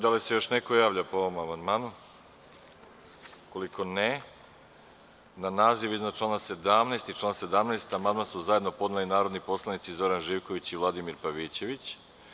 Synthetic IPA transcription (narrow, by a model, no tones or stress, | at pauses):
d̪alise̞jo̞ʃneko̞jaːʋʎʲapooʋomamand̪maːnu | ko̞liko̞ne | nanaːziʋiznat͡ʃlˠanase̞d̪amnaːst̪it͡ʃlˠaːnse̞d̪amnast̪amand̪̚mansuzajed̪no̞po̞d̪nalinaːɾo̞d̪nipo̞slˠanit̪sizo̞ɾanʒiːʋko̞ʋit͡ɕiʋlˠad̪imiɾpaʋit͡ɕe̞ʋit͡ɕ